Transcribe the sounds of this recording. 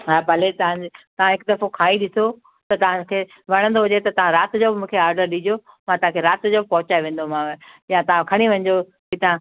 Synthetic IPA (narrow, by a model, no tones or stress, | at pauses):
ɦaːbʱɐlet̪ɐɦãd͡ʑɪt̪ɐʋ̤ãɦɪkd̪ɐfokʰaːiɗɪso | t̪ɐt̪ɐɦãkʰe | ʋɐɽ̃ə̃nd̪oɦʊd͡ʑet̪ɐt̪ɐʋ̤ãɾaːt̪d͡ʑobɪmũːkʰeaːɾɖəɾɗĩd͡ʑio | mãt̪ɐɦãkʰeɾaːt̪d͡ʑobɪpɐɦʊt͡ɕaːeʋẽːn̆d̪omãjãt̪ɐʋ̤ãkʰɐɽ̃iʋɐ̃ɲd͡ʑo | kit̪ɐã